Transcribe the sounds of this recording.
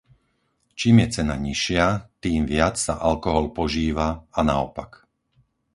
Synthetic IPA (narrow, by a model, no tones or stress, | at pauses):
t͡ʃiːmjɛt͡sɛna̰ɲiʃɪat̪iːmʋɪat͡ssaʔalkɔɦɔlpɔʒiːʋaanaɔ̰pak